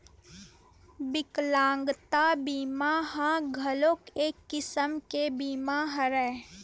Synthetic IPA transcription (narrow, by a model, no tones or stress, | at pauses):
bɪklãːŋɡt̪abiːmaɦãɡʱəloːkeːkːɪsəmkebiːmaɦəɾɛ̃ː